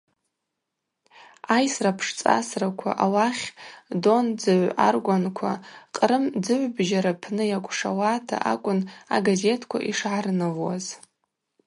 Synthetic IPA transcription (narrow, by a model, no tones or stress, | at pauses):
ajsrapʰʂt͡sʼa̰srakʷʰa̰ʔawaχʲdo̞nd͡zɨʕʷa̰rɡʷankʷʰaqʼɾɨmd͡zɨʕʷbʒaɾapʰnɨjakʷʼʂa̰waːtʰa̰ʔa̰kʷʼʊna̰ɡaze̞tʰkʷʰa̰ʔiʂʕarɨnɨvwa̰z